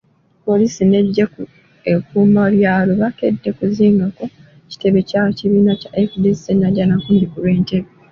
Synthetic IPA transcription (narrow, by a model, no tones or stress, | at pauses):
po̞liːsine̞ɟːeku | ekumaljaːloβake̞dːe̞kuziːŋɡako̞ | ci̥te̞βe̞caciβiːnacaʔefdestenaɟanakuːɲdikulwe̞ːnte̞βe